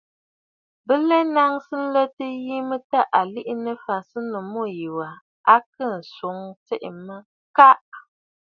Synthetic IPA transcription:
bə˦lɛ˦na˦ŋsɨ˦n̩˦lə˦tə˦ji˦mə˦ta˦˨ʔa˨li˦ʔnə˦fa˨sɨ˦nə˨mo˦˨ji˨wa˨ | a˦kə˦˨n̩˨so˨˦ŋt͡sɛ˦ʔmə˦ | ka˦ʔ

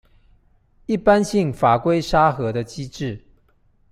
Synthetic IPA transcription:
i˥˩pa˦nɕi˥˩ŋfa˨˩kwe˥ɪʂa˥xɤ˧˥d̪ə˧t͡ɕi˥ʈ͡ʂɻ̩˥˨

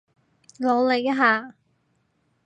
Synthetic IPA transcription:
lɔ˨˧˥le˨˧jɐ˥ɦaː˨˧

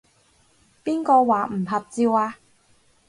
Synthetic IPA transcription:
piː˥nkɔː˧waː˨˩m̩˨˩ɦɐ˨p̚t͡siː˧waː˧

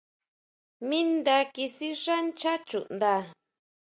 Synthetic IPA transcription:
mĩ˦nd̪a˧ki˧si˦ʂa˦nt͡ʃa˦t͡ʃṵ˨nd̪a˧

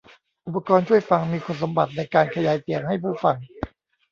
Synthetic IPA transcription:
ʔu˨˩pːa˧kɔː˧nt͡ɕʰu˥˩jfa˧ŋmiː˧kʰo˧nsa˨˦mba˨˩t̪̚na˧jkaː˧nkʰa˧jaː˧jt̪i˨˩əŋha˥˩jpʰuː˥˩fa˧ŋ

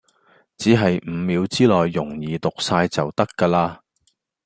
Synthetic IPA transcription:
t͡siː˨˥ɦɐ˨jm̩˨˧˥miː˨˧wt͡siː˥lɔː˨jːʊ˨˩ŋjiː˨t̪ʊ˨k̚saː˧jt͡sɐ˨wt̪ɐ˥kːaː˧laː˧

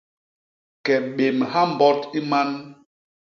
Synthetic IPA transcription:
kɛ˨ɓe˨mha˦m˨bɔ˦ti˦ma˦n

